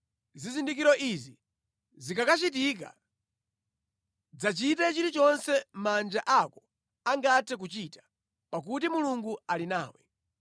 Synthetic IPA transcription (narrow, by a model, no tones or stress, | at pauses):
zizindikiɾɔʔizi | zikakat͡ʃitik̬a̰ | d͡zat͡ʃitɛt͡ʃiɾit͡ʃɔnsɛmand͡ʒaʔakɔ | aŋɡatʰɛk̬ut͡ʃitḁ | pak̬utimuluŋɡualinaːwɛ